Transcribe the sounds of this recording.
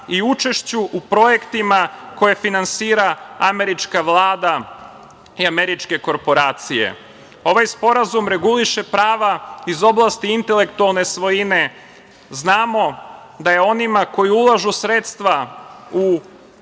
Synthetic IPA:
iut͡ʃe̞ʃt͡ɕuʔupɾo̞je̞kt̪imako̞je̞finansiːɾaame̞ɾit͡ʃkaʋlaːd̪a | iameɾit͡ʃke̞ko̞ɾpo̞ɾaːt̪sije̞̰ | o̞ʋajspo̞ɾazumɾe̞ɡuliʃe̞pɾaːʋaizo̞blˠaːst̪iint̪e̞le̞kt̪ualˠne̞sʋo̞jine̞ | znaːmo̞ | d̪ajeo̞nimako̞jiulˠaʒusɾet̪st̪ʋau

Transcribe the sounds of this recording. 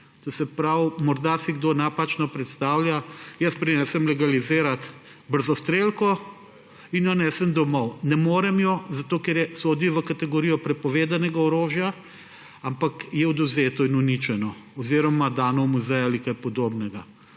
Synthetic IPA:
t̪osɛpɾawmɔɾd̪asiɡd̪onapat͡ʃnɔpɾɛt̪st̪aːwlʲjajəspɾinɛsɛmlɛɡalizeːɾat̪ | bəɾzɔst̪ɾelkɔ | injɔnɛːsɛmd̪ɔmɔwnɛmoːɾɛmjɔzat̪oːkɛɾjɛsoːd̪iʋəkat̪ɛɡoɾiːjɔpɾɛpɔʋeːd̪anɛɡaɔɾoːʒja | ampakjɛɔd̪uzeːt̪ɔinunit͡ʃɛnɔ | ɔziːɾɔmad̪aːnɔmuzɛjalikajpɔd̪oːbnɛɡa

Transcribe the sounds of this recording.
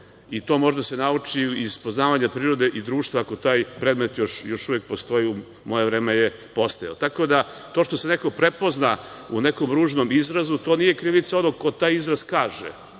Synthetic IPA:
it̪o̞moʒed̪ase̞naut͡ʂiiz̥po̞znaːʋaɲapɾiːɾo̞d̪e̞ʔid̪ɾuːʃt̪vaːko̞t̪aːjpɾed̪me̞t̪joʃjo̞ʃuvʋek̚post̪oju | mo̞jevɾeːmeje | po̞st̪ajaot̪ako̞d̪a | t̪o̞ʃt̪oseneko̞pɾepo̞zna | ṵne̞ko̞mɾuːʒnomizɾazut̪onije̞kɾiʋit̪saonoɡko̞t̪aːjizɾaz̥kaːʒḛ

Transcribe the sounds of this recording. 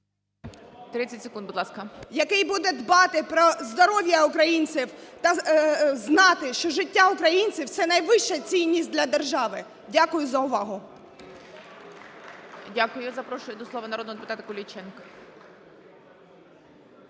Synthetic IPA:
t̪ɾɪt͡sʲːɐtʲsekund̪bʊd̪lˠɑskɐjɐkɪjbud̪ɛd̪bɑt̪ɪpɾɔzd̪ɔɾɔʋʲjɐʊkɾɐjinʲt͡sʲiwt̪ɐznɑt̪ɪʃt͡ʃɔʒɪtʲːaʊkɾɐjinʲt͡sʲiwt̪sɛnɐjʋɪʃt͡ʃɐt͡sʲijnʲːisʲt̚ʲd̪lʲɐd̪erʒɑʋɪ | dʲakʊjʊzɐʊʋɑɦʊ | dʲakʊjʊzɐpɾɔʃʊjʊd̪ɔslˠɔʋɐnɐɾɔd̪nɔd̪epʊt̪at̪ɐkɔlʲit͡ʃɛnkɔ

